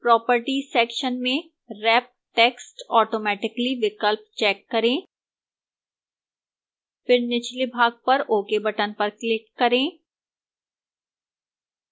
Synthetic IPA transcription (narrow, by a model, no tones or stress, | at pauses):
pɾɔːpəɾʈisɛːkʃənmẽ | ɾɛːp̚ʈeːksʈɔːʈoːmɛːʈɪkliʋɪkəlp̚t͡ʃɛːkːɐɾẽː | fɪɾnɪt͡ʃlibʱaːɡ̚pɐɾoːkebɐʈənpɐɾklɪk̚kɐɾẽː